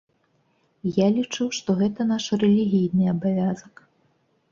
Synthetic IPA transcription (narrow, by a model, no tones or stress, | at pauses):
jalʲit͡ʂɨwʂt̪ɔɣɛt̪ɐn̪aʂrɛlʲiɣʲijnɨɐbavʲazɐk